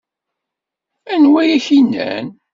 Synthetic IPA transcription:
ænwæjæçinːæ̰n

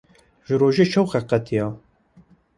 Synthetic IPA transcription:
ʒɨɾoːʒet͡ʃʰɛwxɛqɛt̪ʰijɑː

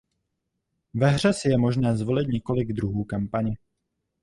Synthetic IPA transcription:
vɛɦr̝ɛsɪjɛmo̞ʒnɛːzvo̞lɪt̪ɲɛko̞lɪɡd̪ɾuɦuːkampaɲɪ

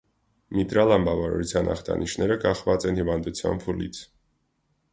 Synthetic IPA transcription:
mit̪ɾɑlɑmbɑvɑɾɑ̰ɾut͡sʰjɑnʔɑ̰χt̪ʰɑ̰nʔiʃnɛɾəkɑχvɑt͡sɛnhivɑnd̪ut͡sʰjɑ̰npʰulḭt͡sʰ

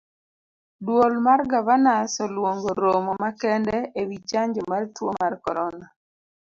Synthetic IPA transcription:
dwolmarɡavanasɔlwoŋɡoɾomɔmakɛndɛewit͡ʃaɲd͡ʒɔmartwo̰markɔɾɔna

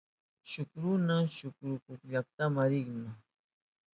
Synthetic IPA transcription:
ʃʊkɾʊnaʃʊkɾʊkʊkʎak̚t̪amaɾɪχma

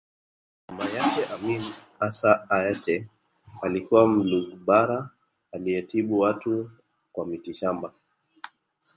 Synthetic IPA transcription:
mamajakɛʔamin | asaːɛtɛ | alikuwam̩luɡɓaɾa | aliɛtiɓuwatu | kwamitiʃamba

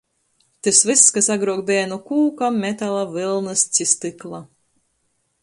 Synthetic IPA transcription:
t̪ɨsvɨsːkasaɡɾuɔk̚bʲeːnukuːkamːʲɛt̪alˠavɨlˠnɨst̪sʲist̪ɨklˠa

